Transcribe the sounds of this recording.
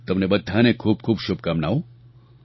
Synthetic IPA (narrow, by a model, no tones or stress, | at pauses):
t̪ɐmnebɐd̪ʱːaːnekʰuːb̚kʰuːbʃʊb̚kamnaːo